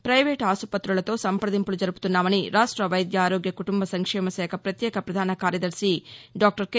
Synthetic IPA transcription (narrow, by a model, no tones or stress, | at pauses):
pɾɐjʋeːʈaːsupɐt̪ɾuɭɐt̪o̞ːsɐmpɾɐd̪impulud͡ʒɐɾupu̥t̪unːaːʋɐniɾaːʂʈɾɐʋɐjd̪jaaːɾoːɡjɐkuʈumbɐsɐŋkʂɛːmɐsɛːkʰɐpɾɐt̪jeːkɐpɾɐd̪ʱaːnɐkaːɾjɐd̪ɐɾʃiɖaːk̚ʈɐɾke